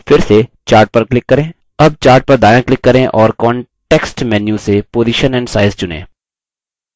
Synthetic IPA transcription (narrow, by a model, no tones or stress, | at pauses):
fɪɾset͡ʃaːɾʈ̚pɐɾklɪkːɐɾẽː | ɐb̚t͡ʃaːɾʈ̚pɐɾd̪aːjãklɪkːɐɾẽʔɔːɾkɔ̃ːɳʈeːksʈmɛːnjusepoːziʃənɛ̃ːɳɖsaːɪzt͡ʃʊnḛ̃ː